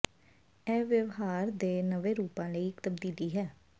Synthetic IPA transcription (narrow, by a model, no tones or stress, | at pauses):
ɛːʋjəʋɦaːɾd̪eːnəʋeːɾuːpãːləiːɪkt̪əbd̪iːliːɦɛː